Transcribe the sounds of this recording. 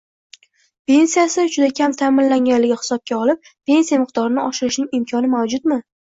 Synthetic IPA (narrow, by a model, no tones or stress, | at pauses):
pe̞nsijasɪd͡ʒʊd̪akʲʰamt̪ʰamɪnlaŋʲanlɪɡʲɪhɪ̥sɒp̚kʲaɒlɪp̚ː | e̞nsijamɪq̚d̪ɒɾɪnɪɒʃɪɾɪʃnɪŋɪmkʰʲɒnɪmawd͡ʒʊt̪mɪ